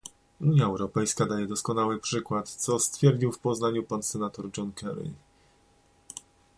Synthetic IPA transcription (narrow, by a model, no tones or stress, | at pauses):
uɲjaɛwɾɔpɛjskad̪ajɛd̪ɔskɔnawɘpʂɘkwat̪t̪sɔst̪fʲjɛɾd͡ʑiwfpɔznaɲupansɛnat̪ɔɾd͡ʐɔnkʰɛ̰ɾḭ